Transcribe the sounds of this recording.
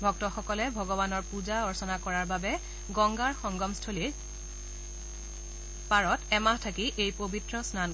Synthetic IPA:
bʱɔk̚tɔxɔkɔlɛbʱɔɡɔbanɔɹpuzaɔɹsɔnakɔɹaɹbabɛ | ɡɔŋɡaɹxɔŋɡɔmstʰoli | paɹɔtɛmaɦtʰakiʔejpobitɹɔsnan

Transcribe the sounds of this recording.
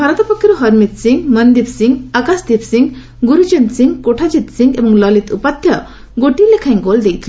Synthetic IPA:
bʱaɾɔt̪ɔpɔkʰːiɾuɦʌɾmit̪siŋɡmʌnd̪ipsiŋɡakasd̪ipsiŋɡ | ɡuɾud͡ʒent̪siŋɡkoʈʰad͡ʒit̪siŋɡebʌŋlʌlit̪upat̪ʰjʌ | ɡoʈilekʰaj̃ŋɡold̪ejt̪ʰile

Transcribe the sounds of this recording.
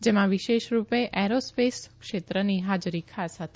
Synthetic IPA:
d͡ʒemãʋiʃeʃɾupeʔɛɾospeskʃet̪ɾəniɦad͡ʒɾikʰasɦət̪ʰe̥

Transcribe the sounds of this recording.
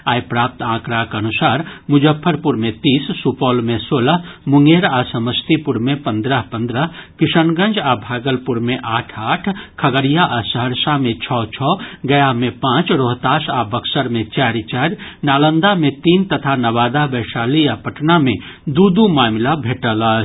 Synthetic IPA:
aːjpɾaːp̚t̪ãːkɾakənusaːɾmud͡ʒəpʰːəɾpuɾmẽt̪iːsːupɔːlmesoːləɦmuŋɡeɾasəməst̪ipuɾmepənd̪ɾəɦpə̃nd̪ɾəɦkiʃənɡə̃nd͡ʒabʱaːɡəlpuɾmeʔaːʈʰaːʈʰkʰəɡəɾijaʔasəɦəɾsamẽt͡ʃʰɔt͡ʃʰɔɡəjamẽpãːt͡ʃɾoɦt̪aːsabəksəɾmẽt͡ʃaːɾit͡ʃaːɾnaːlənd̪amẽt̪iːnt̪ət̪ʰanəʋaːd̪abəɪsaːliapəʈname | d̪ud̪umaːmlabʱeːʈələt͡ʃ

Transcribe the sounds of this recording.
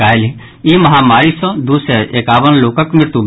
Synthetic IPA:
aːlɦi | imɐɦaːmaːɾisɔ̃d̪usɛʔeːkaːʋənloːkəkmɪɾt̪ub

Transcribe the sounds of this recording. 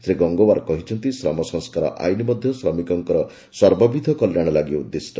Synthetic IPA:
t̪ʰɾeɡɔŋɡowaɾɔkɔɦit͡ʃʰɔnt̪isɾɔ̰mɔsɔ̃ŋskaɾɔ̰ʔa̰jnimɔd̪ʱjɔsɾɔmikɔŋkɔɾɔ | swaɾbɔbid̪ʱɔkɔljaɽ̃ɔlaɡiɔud̪ːesʈɔ

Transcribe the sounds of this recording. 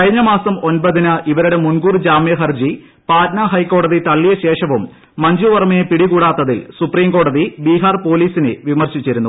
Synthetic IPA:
kɐɻiɲːɐmaːsɐmo̞nbɐðinɨʔiʋɐɾuɽe̞munɡuːrd͡ʑaːmjɐɦɐrd͡ʑi | paːɾnɐɦɐjkːo̞ːɽɐðit̪ɐɭːijɐɕe̞ːʂɐʋumː | ɐɲd͡ʑuʋɐrmɐjepiɽikuːɽaːt̪ːɐðilsupriːmko̞ːɽɐðibiːɦaːrpo̞ːliːsinɨʋimɐrɕit͡ɕːiɾunːu

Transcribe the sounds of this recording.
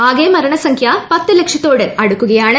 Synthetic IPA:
aːɣeːmɐɾɐɳɐsɐŋkʰjapɐt̪ːɨlekʂɐt̪ːo̞ːɽɨɐɽukːuɣɐjaːɳɨ

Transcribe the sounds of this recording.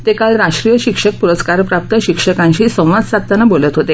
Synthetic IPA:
t̪ekalɾaʂʈɾijəɕikʂək̚puɾəskaɾpɾap̚t̪əɕikʂəkãɲɕiːsə̃w̃ʋad͡zsat̪ːanabolət̪ɦot̪e

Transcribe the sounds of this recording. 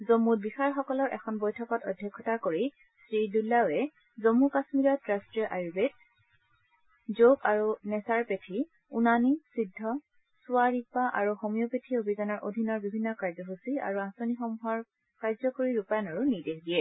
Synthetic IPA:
zomːut̚bixaɹxɔkɔlɔɹʔɛ̰xʰɔnbɔjtʰɔkɔtɔ̰dʱːjɛkʰːɔtakoɹi | sɹidulːawɛ | zomːukasmiɹɔtɹastɹijɔʔajubet̚ | zokaɹunɛsaɹpetʰi | unanisidʱːɔ | sʊaɹipaʔaɹuxomijɔpetʰiobʱizanɔɹʔodʱinːɔɹbibʱinːɔkaɹzɔɦusia̰ɹuãsonixɔmuɦɔɹ | kaɹzɔkoɹiɹupanɔɹunideɦdiɛ

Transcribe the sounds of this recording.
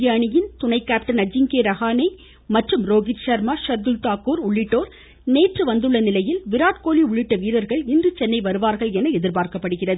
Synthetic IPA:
ɪjaːɳɪjɪnt̪ʊnɐɪkːaːp̚ʈɐnɐd͡ʒːɪŋkeːɾɐɣaːnɐɪ | mɐʈrɯmɾoːɣɪɾʃɐɾmaːʃɐɾd̪ɯlt̪aːkuːɾʊɭːɪʈːoːɾ | neːʈrɯʋɐnd̪ɯɭːɐnɪlɐjɪlʋɪɾaːʈkoːliʊɭːɪʈːɐʋiːɾɐɾɣɐɭɪndrɯt͡ʃɛnːɐɪʋɐɾɯʋaːɾɣɐɭɛnɐɛðɪɾbaːɾkɐpːɐɽɯɣɪrɐðɯ

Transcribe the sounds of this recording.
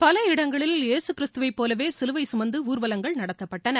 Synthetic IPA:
pɐlɐɪɽɐŋɡɐɭɪleːsɯkːɪɾɪst̪ɯʋɐɪpːoːlɐʋeːsɪlɯʋɐɪsʊmɐnd̪ɯuːɾʋɐlɐŋɡɐɭnɐɽɐt̪ːɐpːɐʈːɐnɐ

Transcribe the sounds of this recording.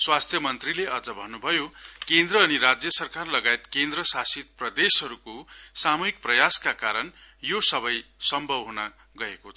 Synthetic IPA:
swast̪ʰjʌmʌnt̪rileʌd͡zʌbʱʌnːubʱʌjokend̪rʌːniɾad͡zjʌsʌrkarlʌɡaet̪kend̪rʌsasit̪̚prʌd̪esɦʌɾukosamuɦik̚prʌjaskakaɾʌn | josʌbʌjsʌmbʱʌbɦuna | ɡʌekot͡sʰ

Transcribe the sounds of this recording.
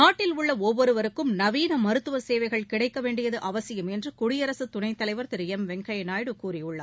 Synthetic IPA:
naːʈːɪlʊɭːɐɔʋːɔɾɯʋɐɾɯkːɯmnɐʋiːnɐmɐɾɯt̪ːɯʋɐseːʋɐɪɣɐɭkɪɽɐɪkːɐʋeːɳɖɪjɐðɯʔɐʋɐsɪjɯmɛndrɯkʊɽɪjɐɾɐsɯt̪ʊnɐɪt̪ːɐlɐɪʋɐɾt̪ɪɾɯjɛmʋɛŋkɐjɐnaːjɽɯkuːrɪjɯɭːɐ

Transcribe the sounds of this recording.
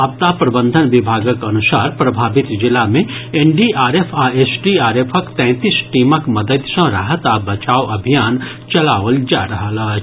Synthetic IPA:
ɐp̚t̪apɾɐbə̃nd̪ʱənʋibʱaːɡəkɐnusaːɾpɾəbʱaːbit̪d͡ʒɪlamẽenɖiaːɾepʰaesʈiaːɾepʰəkt̪ɛ̃ːt̪isʈiməkməd̪əd̪sə̃ɾə̰ɦət̪abət͡ʃaːwʔɐbʱijaːn | t͡ʃɐlaːʋəld͡ʒaɾəɦəla

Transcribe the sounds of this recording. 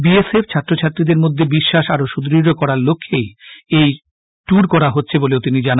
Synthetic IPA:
bieseft͡ɕʰat̪ːɾot͡ɕʰat̪ːɾid̪eɾmod̪ʱːebiʃːaʃaɾoʃud̪ɾiokɔɾaɾlokʰːejej | ʈuɾkɔɾaɦotːɕʰeboleot̪inid͡ʑan

